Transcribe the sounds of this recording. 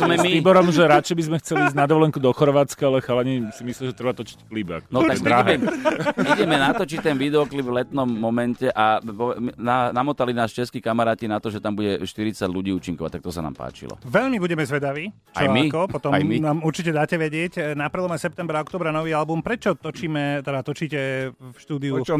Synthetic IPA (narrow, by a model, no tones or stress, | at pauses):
zmɛmiiːbɔɾɔmʒɛɾat͡ʃɛɪbizmɛxt͡sɛliizɟnad̪ɔʋɔlɛŋkud̪ɔxɔɾʋaːt͡skaalɛxalaɲɛsimisliʒɛt̪ɾɛbat̪ɔt͡ʃi̥ckliba̰knɔad̪ɾaɦɛmiɟɛmɛnat̪ɔt͡ʃit̪ɛnʋid̪ɛɔklibvlɛt̪nɔmːɔmɛncɛʔapɔɛmnanamɔt̪alinaːʃt͡ʃɛskiːkamaɾaːcinat̪ɔʒɛt̪ambuɟɛʃt̪iɾit͡saɟluɟiːuːt͡ʃiŋkɔʋact̪akt̪ɔsana̰ːmpa̰ːt͡ʃḭlɔ̰ʋɛʎmibuɟɛmɛzʋɛd̪aʋiː | t͡ʃa̰jmikɔppɔt̪ɔjminaːmuɾt͡ʃicɛd̪aːcɛʋɛɟɪɛcnapɾ̩lˠɔmasɛp̚t̪ɛmbɾaɔkt̪ɔːbɾanɔʋiːalbumpɾɛt͡ʃɔt̪ɔt͡ʃiːmɛt̪ɛd̪at̪ɔt͡ʃiːcɛfʃt̪uːd̪iu